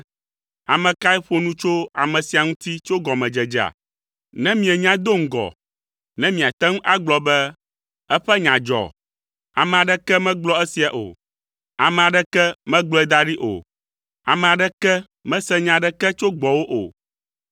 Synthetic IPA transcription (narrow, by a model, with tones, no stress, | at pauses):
a˨mɛ̃˨ka˦ɛ˦ɸo˦nũ˦t͡ʃo˦a̰˨mɛ̃˨si˨a˨ŋũ˦t̪i˦t͡ʃo˦ɡɔ˨mɛ̃˨d͡ʒɛ˨d͡ʒa̰˨ | nɛ̃˦mĩ˨ɛ˨ɲã˦d̪o˦ŋ̩˨ɡɔ̰˨ | nɛ̃˦mĩ˨a˨t̪ɛ˦ŋũ˦ʔa˦ɡ͡blɔ˨bɛ˦ | ɛ˦ɸɛ˦ɲã˨d͡ʒɔ̰˨ | a˨mɛ̃˨a˨ɖɛ˦kɛ˦mɛ̃˦ɡ͡blɔ˦ɛ˦si˨a˨ʔo̰˨ | a˨mɛ̃˨a˨ɖɛ˦kɛ˦mɛ̃˦ɡ͡blɔ˦ɛ˦d̪a˦ɖi˦ʔo̰˨ | a˨mɛ̃˨a˨ɖɛ˦kɛ˦ | mɛ̃˦sɛ˦ɲã˨ɖɛ˦kɛ˦t͡ʃo˦ɡ͡bɔ˨wo˦ʔo̰˨